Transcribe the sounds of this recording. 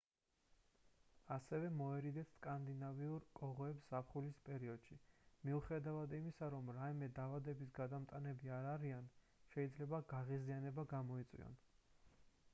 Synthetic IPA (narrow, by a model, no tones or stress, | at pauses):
asɛvɛmɔɛɾid̪ɛt̪skʼand̪inaviuɾkʼɔʁɔɛpsapʰχulispʼɛɾiɔd̪̥ʃimiuχɛd̪avad̪imisaɾɔmɾaimɛd̪aːvad̪ɛbisɡad̪amt̪ʼanɛbiaɾaɾian | ʃɛid̪zlɛbaɡaʁizianɛbaɡamɔit̪sʼwḭɔ̰n